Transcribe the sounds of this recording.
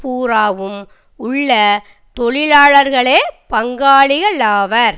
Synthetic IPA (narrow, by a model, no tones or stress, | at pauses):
puːɾaːʋɯm | ʊɭːɐ | t̪ɔɭɪlaːɭɐɾɣɐɭeːpɐŋɡaːɭɪɣɐɭaːʋɐɾ